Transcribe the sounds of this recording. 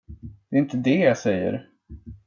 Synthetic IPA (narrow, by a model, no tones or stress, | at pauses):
d̪̥ɛːɪnt̪əd̪ɛjasɛjːə̰ɾ